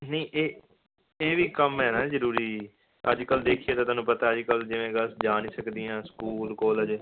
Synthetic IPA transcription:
nə̃ːʔeː | eːʋiːkəmɦɛːnaːzəɾuːɾiː | əd͡ʒkəld̪eːkʰieːt̪aːt̪aːnũːpət̪aːəd͡ʒkəld͡ʒɪʋẽːɡəsd͡ʒaːniːsəkd̪iːãːskuːlkoːləd͡ʒ

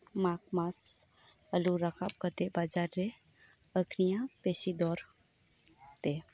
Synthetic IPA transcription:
makmas | əluɾakʰap̚kət̪ebad͡ʒaɾːe | əɡʰnijãpesid̪ɔɾ | t̪e

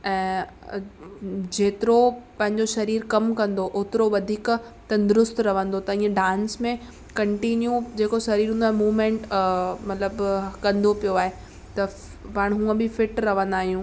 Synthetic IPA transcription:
ɛ̃ː | d͡ʑeːt̪ɪɾopɐ̃ɦɪ̃ɲd͡ʑoʃɐɾiːɾkɐmkɐ̃nd̪oʔʊt̪ɪɾoʋɐd̪ʱiːk | t̪ɐ̃nd̪ʊɾʊst̪ɾɐʋə̃nd̪ot̪ɐĩːə̃ɖãːnsmẽ | kɐ̃ɳʈinjũd͡ʑeːkoʃɐɾiːɾɦũnd̪aːɦemuːʋmẽːɳʈmɐt̪ləbkɐ̃nd̪opijoaːɦe | t̪ɐ | paːɽ̃ɦũːə̃bɪfɪʈɾɐʋ̤ə̃nd̪aːɦijũ

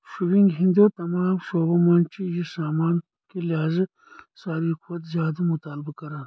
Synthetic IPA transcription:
ʃuwiŋɡɦind̪ot̪ɐmɑːmʃoːbɐmaːnt͡ʃijisaːmaːn | keliaːzɐ | saːɾikwɐt̪zjaːd̪ɐmʊt̪aːlbɐkɐɾan

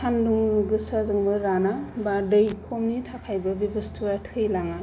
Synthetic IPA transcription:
anduŋɡɯsazɯŋbɯɾanabadɯjkʰomnitʰakʰajbɐbibɯstʰuatʰɯjlaŋa

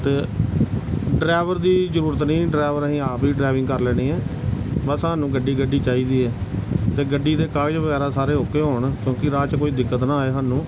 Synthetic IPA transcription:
t̪eː | ɖɾaːʋəɾd̪iːzəɾuːɾət̪nĩːɖɾaːʋəɾəɦĩːaːpiːɖɾaːʋɪ̃ŋɡkəɾlɛːɽ̃ĩːɛːbəsɦəːnːũːɡəɖːiːɡəɖiːt͡ʃaːiːd̪iːɛːt̪eːɡəɖːiːt̪eːkaːt͡ʃʋəɡɛːɾaːsaːɾeːɦokeːɦoːɳkjõːkɪɾaːt͡ʃkoːiːd̪ɪkːət̪nãːeːɦaːnũː

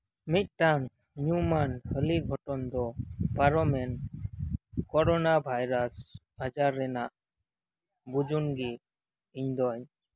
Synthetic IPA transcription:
mit̪̚ʈaŋ | ɲumanhəliɡʱɔʈɔnd̪ɔpaɾɔmɛn | kɔɾɔnabʱajɾasbad͡ʒaɾːɛnaʔ | bud͡ʒunɡi | iɲd̪ɔɲ

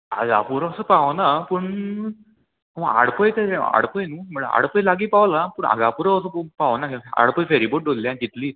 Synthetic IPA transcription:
a̰ɡa̰puɾaəsəːpaʋnapuɳ | aʋəa̰ɽpəjt̪eɛa̰ɽpəjnuːm̤əɽəa̰ɽpəjlaɡiːpaʋlapuɳa̰ɡapuɾaəsəpaʋnakia̰ɽpəjfeɾiboʈ̚ɖolːianik̪it̪liː

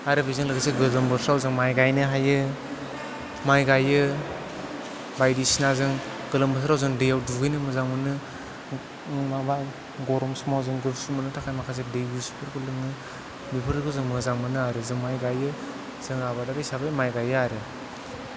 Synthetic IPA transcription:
aɾɯbizɯŋlɯɡsɯɡɯlɯmbɯsɾawzɯŋmajɡajnɯɦajɯ | majɡajɯ | bajdisinazɯŋ | ɡ̥ɯlɯmbɯs̬ɾawzɯŋdɯjawduɡɯjnɯmɯzaŋmɯnɯ | ŋmaba | ɡɔɾɔmsumawzɯŋɡɯsumɯnɯtʰakʰajmakʰas̬edɯjbuspʰɯɾɡɯlɯŋnɯ | bipʰɯɾɯkɯzɯŋmɯzaŋmɯnɯaɾɯzɯŋmajɡajɯ | z̥ɯŋaβadaɾɯjsabajmajɡajɯaɾɯ

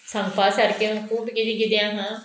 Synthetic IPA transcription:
sə̃ŋpaːsəɾkeʊ̃kʰuːbɡɪd̪iːɡɪd̪jãːɦãː

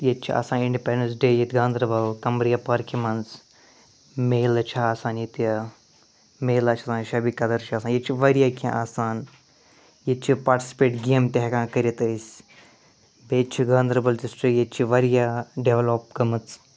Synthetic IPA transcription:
jet͡ʃʰia̰ːsãːniɳɖipeɳɖənsɖeːjit̪ɡãːnd̪ɾɐbɐlkɐmɾijapaɾkimɐns | meːlɐt͡ʃʰaːsaːnjit̪jɐ | meːlaːt͡ʃʰasãːnʃɐbikɐd̪ɐɾt͡ʃʰiaːsaːnjet͡ʃʰiʋɐɾijaːkʲã̰ʔaːsaːn | jet͡ʃʰipaːɾʈi̥sʲi̥peːʈɡeːmt̪ʲeɦkãːkɐɾʲit̪əsʲ | beːt͡ʃʰiɡãːnd̪ɾɐbɐlt̪isʈɨjet͡ʃʰiʋɐɾijaɖeʋloːp̚ɡɐmɨt͡s

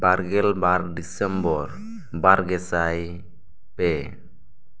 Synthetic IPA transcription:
baɾɡɛlbardisɛmbɔr | baɾɡɛsaj | pɛ

